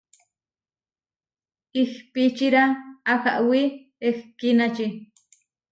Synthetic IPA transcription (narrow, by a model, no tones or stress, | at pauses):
ixpit͡ʃiɾaːxaʔwi | exkinat͡ʃi